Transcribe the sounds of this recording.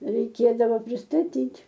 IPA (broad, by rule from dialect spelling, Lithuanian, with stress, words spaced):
rʲɛɪˈkʲeːdɐʋoː pʲrʲɪstɐˈtʲiːtʲ